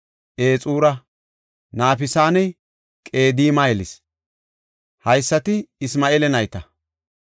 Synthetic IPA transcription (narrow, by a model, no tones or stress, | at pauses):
ʔeːt͡sʼuːɾɐ | naːfɪsaːnɛ | kʼe̞ːd̪iːmajɛlɪs | hɐjsːɐt̪ɪɪsmaːʔeːlɛnɐjt̪ɐ